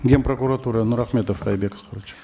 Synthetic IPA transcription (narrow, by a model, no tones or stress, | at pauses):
ɡʲe̞npro̞kuɾat̪uɾənuɾaχmʲe̞t̪ofɑjbe̞kə̥sqʰoɾut͡ʃ